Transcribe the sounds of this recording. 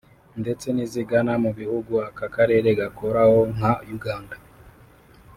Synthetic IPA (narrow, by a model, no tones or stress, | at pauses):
nde̞t͡se̞niziɡanamuβihuɡuakakaɾe̞ːɾe̞ɡako̞ɾaho̞ŋ̥ajuɡaːnda